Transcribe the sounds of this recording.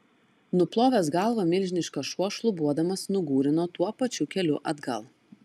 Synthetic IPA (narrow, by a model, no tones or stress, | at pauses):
nʊplˠoːʋʲesɡɐlˠʋoːmʲɪlʲʒʲnʲɪʃkoʃuɔʃlˠʊbuɔd̪ɐmɐsnʊɡuːɾʲɪnoːt̪uɔpɐt͡ʃʲukʲɛlʲʊ̰ʔɐd̪ɡɐ̰lˠ